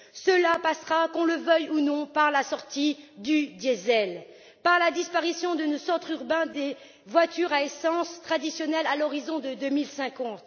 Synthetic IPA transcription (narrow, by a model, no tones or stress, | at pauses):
səlapasχakɔ̃ləvœjunɔ̃paʁlasɔʁt̪id̪yd̪jezɛl | paʁlad̪ispaʁisjɔ̃d̪ənosɔʁt̪χyʁbɛ̃d̪e | vwat̪yʁaesɑ̃st̪χad̪isjɔnɛlalɔʁizɔ̃d̪əd̪ømilsɛ̃kɑ̃t̪